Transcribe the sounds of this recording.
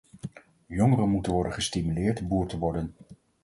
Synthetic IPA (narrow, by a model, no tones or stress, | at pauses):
jɔŋərəmutənʋɔɹdənχəstimylɪːɹtbuːɹtəʋɔɹdən